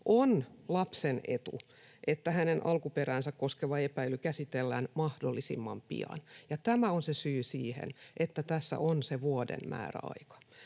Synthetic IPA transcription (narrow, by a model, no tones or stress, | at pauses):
ʔonlɑpsenḛt̪ṵ | ʔet̪ːæhænenʔɑlkuperæːnsækkoskeʋɑepæilykæsit̪elːæːnmɑhdolːisḭmːɑmpḭɑ̰njɑt̪æmæonsesyːsiːhḛnʔet̪ːæt̪æsːæ̰ʔonseʋuodḛmmæ̰ːræ̰ɑ̰ikɑ̥